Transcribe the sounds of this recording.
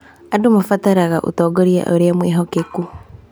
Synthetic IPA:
adomafataɾaɣaʔṵtɔːɡoɾia̰ʔoɾeamweːɦɔkeku

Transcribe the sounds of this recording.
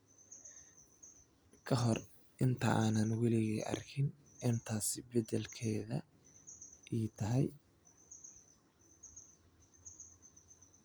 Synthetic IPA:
kʰɐɦɔr | ʔɪnt̪ʰɐʔaːnɐnwɑlɪɣɛːʔɐ̰rkʰɪn | ɛnt̪ʰaːsɪbɛd̪ɛlkʰɛːðɐ̰ | ʔiːt̪ʰɐɦɛj

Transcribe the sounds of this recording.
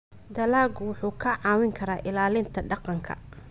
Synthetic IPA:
d̪ɐlaːɡʊwʊħuːkʰɐʕɑːwɪŋkʰɐɾaːʔɪlaːlɪnt̪ʰɐɖɑqɑŋkʰɐ̰

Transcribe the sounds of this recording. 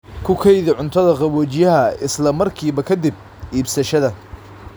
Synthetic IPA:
kʰʊkʰɛjðɪʕʊnt̪ʰɐðɐqɑβɔːt͡ʃɪjɐɦɐɪslɐmɐrkʰiːβɐkʰɐd̪ɪb̚ | ʔiːbsɐʃɐðɐ

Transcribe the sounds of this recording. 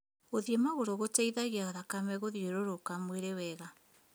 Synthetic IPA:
oðiemaɣoɾoɣotaiðaɣiaɣaðakamɛɣoðieɾoɾokamweɾewɛɣa

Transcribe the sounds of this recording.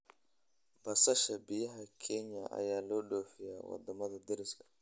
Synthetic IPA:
bɐsɐʃɐbɪjɐɦakʰɛɲa̰ʔa̰jaːloɗoːfɪja̰ːwɐ̰d̪ɐmɐd̪ɐd̪ɪɾɪskɐ̥

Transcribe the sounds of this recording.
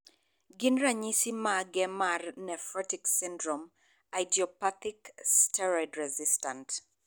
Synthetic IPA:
ɡɪnɾaɲisimaɡɛmarnɛfɔtiksindɾɔm | ajdiɔpatikstɛɾɔdɾɛzistãnt

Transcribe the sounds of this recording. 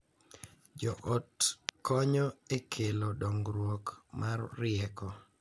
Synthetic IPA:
d͡ʒɔʔotkɔɲɔekʰelodɔŋɡɾwokmarːɪɛkɔ

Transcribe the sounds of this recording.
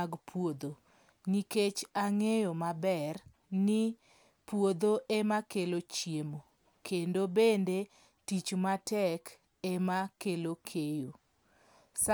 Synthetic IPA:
aɡpʰwod̪o | niket͡ʃaŋejomabɛr | nɪ | pwod̪oʔemakelot͡ʃjemo | kʰendobende | tit͡ʃmatɛk | emakelokʰejo | sa

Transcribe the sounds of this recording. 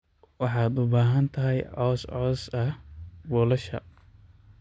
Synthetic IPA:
wɑħɑːd̪ʊbaːɦɐnt̪ʰɐɦɛjʕɔːsʕɔːsɐhwɔːlɐʃɐ̰

